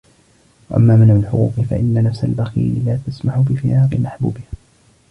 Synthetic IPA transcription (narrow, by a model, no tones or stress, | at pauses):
waʔa̰mːaːmɪnaalħʊ̰qṵːqɨfa̰ʔɪnːanafsa̰lbaxḭːɾɪlaːt̪asmaħʊbɪfɪjʔaːqɪmaħbṵːbɪha